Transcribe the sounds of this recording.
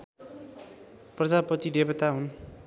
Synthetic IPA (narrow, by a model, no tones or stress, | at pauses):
prʌd͡zapʌt̪id̪ebʌt̪aɦun